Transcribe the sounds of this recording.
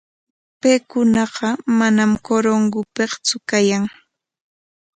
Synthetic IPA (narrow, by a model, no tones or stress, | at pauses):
pejkʊnɑɢɑmanamkoɾoŋɡʊpeχt͡sʊkajaŋ